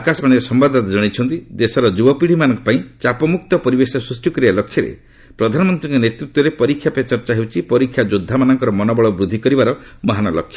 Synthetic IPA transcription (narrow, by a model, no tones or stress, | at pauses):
akasɔmaɽ̃iɾɔsɔmbad̪ʱt̪ad͡ʒɔɽ̃it͡ʃʰɔnt̪id̪esɔɾɔd͡ʒubɔpiɽ̤imanɔŋkɔ̥paĩt͡ʃapɔmuk̚t̪ɔpɔɾibesɔsɾusʈikɔɾibalokʰjɔɾḛ | pɾɔd̪ʱanɔmɔnt̪ɾiŋkɔnet̪ɾut̪wɔɾepɔɾikʰjapet͡ʃɔɾt͡ʃaɦewt͡ʃʰipɔɾikʰːjad͡ʒod̪ʱːamanɔŋkɔɾɔmɔnɔbɔɭɔbɾud̪ʱikɔɾibaɾɔmɔɦanɔlɔ̰kʰːjɔ